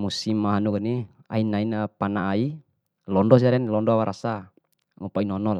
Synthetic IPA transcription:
musimːaɦanukani | a̰inainapanaːi | lɔndɔs̬iaɾɛnlɔndɔwaɾʔasa | ŋupainɔnɔla

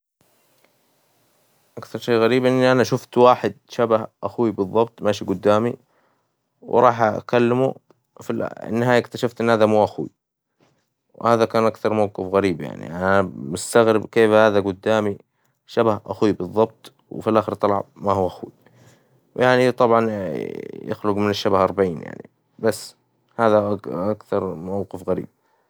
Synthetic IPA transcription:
ʔakθɑɾˤʃeːɣaɾiːbʔɪnːiʔanaʃʊft̪waːħɪd̪̚ʃabahʔaxwibɨðˤːɑb̚t̪ˤmaːʃiɡʊd̪ːaːmi | wɾˤɑːħʔa̰kalːɪmṵ | filʔɪ̰nːɪhaːjakt̪aʃaft̪ʔɪnːhaːðamuːʔaxwḭ | whaːðakaːnʔakθɑɾˤmawɡɪfɣaɾiːbja̰ʕnḭʔʔanamʊst̪aɣɾɪbkeːfhaːðaɡʊd̪ːaːmi | ʃabahʔa̰xwibɨðˤːɑb̚t̪ˤ | wfilʔaːxɪɾt̪ˤːɑlʕbmaɦuːʔaxwḭ | wjaʕnit̪ˤɑbʕɑn | jɪ̰xlʊɡmɪnɪʃːabahʔɑɾˤbaʕiːnja̰ʕnḭ | basː | haːðaʔʔakθɑɾˤmawqɪfɣaɾḭːb̥̚

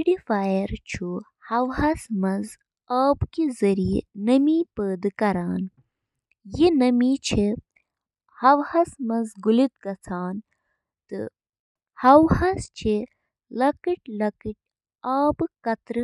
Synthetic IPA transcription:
ɖifaːjɐɾt͡ʃʰu | hɐʋɦɐsmɐz | aːbkizɐɾijḛnɐmipəːd̪ɨkɐɾaːn | jinɐmit͡ʃʰe | hɐʋhɐsmɐnzɡulit̪̚kɐt͡sʰaːn | t̪ɨ̰ | hɐwhɐst͡ʃʰe | lɐkɨʈlɐkiʈ̚ | aːbkɐt̪ɾɨ

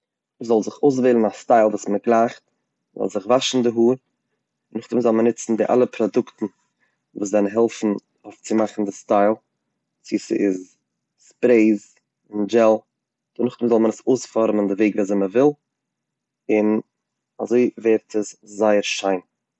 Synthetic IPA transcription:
məzɔlˠzɪχoʊs̬veːlˠn̩astaɪlˠvuːsməɡlˠaːχt | zɔ̰lˠzɪχvaʃn̩dɪɦuːɾ | nʊχtəmzɔlˠmənɪt͡sn̩dɪʔa̰lˠəpʰɾɔdʊktn̩ | vuːs̬vɛln̩ɦɛlˠfn̩ | oʊft͡sɪmaχn̩dɪstaɪlˠ | t͡sisə̰ɪz | spɾeɪz | ɪnd͡ʒɛlˠ | d̥nʊχtɪmzɔlˠmənəsoʊsfɔɾməndɪveɪɡviːzɛməvɪlˠ | ɪn | a̰zoɪveːɾtʰəszaɪəɾʃaɪn

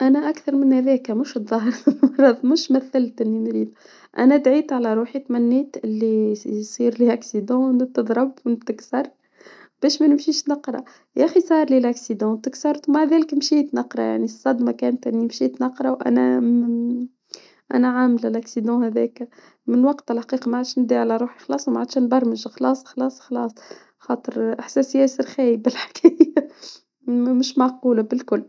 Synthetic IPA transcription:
ʔænæʔakθɑɾˤmɪnhæðɛːkmʊʃt̪ðˤɑɦɾˤɾˤɑðˤmʊʃmæθːɪlt̪ʔɪnːinɾiːd̪ | ʔænæd̪ʕiːt̪ʕalæɾˤuːħit̪mænːɛːt̪ʔɪlːisˤiːɾliʔaksid̪ɑ̃ːnt̪ɨd̪ˤɾˤɑbwt̪ɪksɑɾˤt̪ | b̥æːʃmænɪmʃiːʃnɑqɾˤɑ̰ | jʔæxisˤɑːɾˤlilʔaksid̪ɑ̃ːt̪ɪksɑɾˤt̪wmaʕðæːlɪkmʃiːt̪nɑqɾˤɑ̰ja̰ʕnisˤːɑd̪mɑkæːnt̪ʔɪnːimʃiːt̪nɑqɾˤɑwʔæ̰næ̰ | ʔæ̰næʕamlɪlʔaksid̪ɑ̃hæðɛ̰ːk | mɪnwɑɡt̪ɪlħaqiːqɑmaʕad̪ʃnɪd̪iʕalæɾˤuːħixɑlɑːsˤwmaʕad̪ʃæːnbɑɾˤməʒxɑlɑːsˤxɑlɑːsˤxɑlɑːsˤ | xɑːt̪ˤəɾʔaħsæsjæːsəɾxæːjbɪlħkʰæːjæ | mʊʃmaʕquːlabɪlkʊlː

